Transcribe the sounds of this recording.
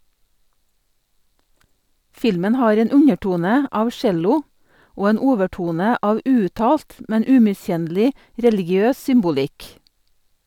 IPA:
ˈfɪlmən ˈhɑːɾ ˈeːn ˈʉɲəˌʈuːnə ˈɑːʋ ˈʃɛlʊ ˈoː ˈeːn ˈuːʋəˌʈuːnə ˈɑːʋ ˈʉːʉˌtɑːlt ˈmɛn ˈʉːmɪˌsçɛnlɪ ˈɾɛlɪɡɪˌøːs ˈsʏmbʊˌlɪk

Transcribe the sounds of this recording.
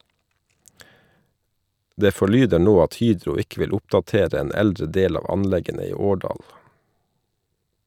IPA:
ˈdeː fɔˈɭyːdə ˈɳoː ˈɑt ˈhyːdɾʊ ˈɪkə ˈʋɪl ˈʊpdɑˌteːɾ ˈeːn ˈɛldɾə ˈdeːl ˈɑːʋ ˈɑnˌlɛɡənə ˈiː ˈoːɖɑːl

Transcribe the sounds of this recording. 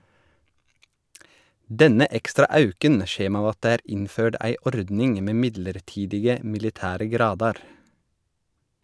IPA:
ˈdɛnə ˈʔɛkstɾɑ ˈʔɑʉkən ˈçeːm ˈɑːʋ ˈɑt ˈdeː ˈæːɾ ˈɪnˌføːɖ ˈæɪ ˈʔɔɾdnɪŋ ˈmeː ˈmɪdləɾˌʈiːdɪɡə mɪlɪˈtæːɾə ˈɡɾɑːdɑɾ

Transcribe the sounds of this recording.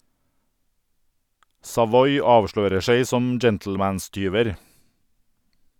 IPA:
sɑˈʋɔʏ ˈɑːʋˌʃɭøːɾə ˈseɪ ˈsɔm ˈd͡ʒɛntl̩ˌmæːnˌstyːʋəɾ

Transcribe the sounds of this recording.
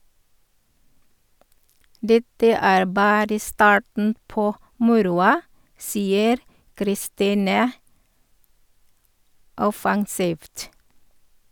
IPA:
ˈdɛtə ˈæːɾ ˈbɑːɾə ˈstɑːʈɳ̩ ˈpoː ˈmʊɾʊɑ ˈsiːəɾ kɾɪˈstiːnə ˈɔfɑŋsiːʋt

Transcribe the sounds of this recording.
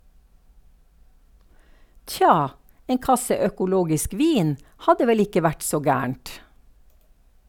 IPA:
ˈtçɑː ˈeːn ˈkɑsə œkʊˈloːɡɪsk ˈʋiːn ˈhɑdə ˈʋɛl ˈɪkə ˈʋæʈ ˈsoː ˈɡæːəɳt

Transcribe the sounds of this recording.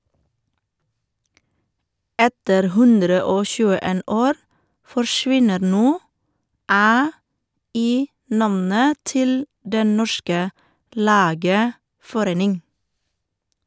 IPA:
ˈɛtəɾ ˈhʉndɾə ˈoː ˈçʉːəˌeːn ˈoːɾ fɔɹˈʃʋɪnəɾ ˈnoː ˈæː ˈiː ˈnɑmnə ˈtɪl ˈdɛn ˈnɔʃkə ˈlæːɡəfɔˌɾeːnɪŋ

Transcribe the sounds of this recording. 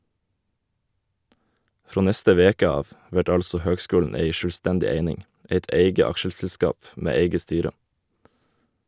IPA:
ˈfɾoː ˈnɛstə ˈʋeːkə ˈɑːʋ ˈʋæʈ ˈɑlsɔ ˈhøːɡˌskʉːln̩ ˈæɪ ˈʃøːˌstɛndɪ ˈeɪnɪŋ ˈeɪt ˈeɪɡə ˈɑkʃəsl̩ˌskɑːp ˈmeː ˈeɪɡə ˈstyːɾə

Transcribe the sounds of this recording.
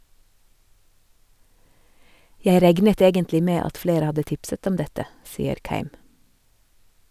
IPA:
ˈjæɪ ˈɾɛɡnət ˈeːɡəntlɪ ˈmeː ˈɑt ˈfleːɾə ˈhɑdə ˈtɪpsət ˈɔm ˈdɛtə ˈsiːəɾ ˈkæɪm

